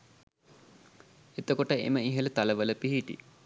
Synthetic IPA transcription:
et̪əkoʈəḛməiɦələt̪aləʋələpiɦiʈḭ

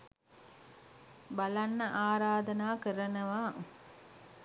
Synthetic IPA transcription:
balanːəʔaːɾaːd̪ənaːkəɾənəʋaː

